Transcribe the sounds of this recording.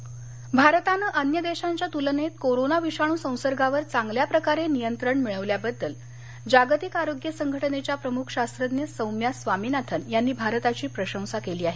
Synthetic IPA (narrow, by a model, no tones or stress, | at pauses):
bʱaɾt̪anəʔənjəd̪eɕaɲt͡ɕjat̪ulənet̪koɾonaʋiɕaɽ̃ũːsə̃w̃səɾɡaʋəɾt͡saŋɡljapɾəkaɾenijənt̪ɾəɳmiɭəʋljabəd̪ːəl | d͡ʑaɡt̪ikaɾoɡjəsəŋɡʱəʈənet͡ɕjapɾəmukʰɕast̪ɾəd̪njəsə̃wmjasʋamiːnat̪ʰənjanːiːbʱaɾət̪at͡ɕiːpɾəɕə̃sakeliːaɦe